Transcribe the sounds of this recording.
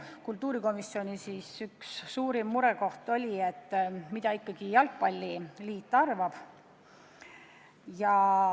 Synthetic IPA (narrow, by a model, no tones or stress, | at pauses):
kult̪ːˑuːɾiko̞misːio̞nʲisiːsyksːuːɾimːuɾɛko̞ht̪o̞lʲie̞t̪ːˑmid̪ɑikːɑɡ̥ijɑlk̚pɑlʲːiliːt̪ːˑɑrvɑb̥ | jɑ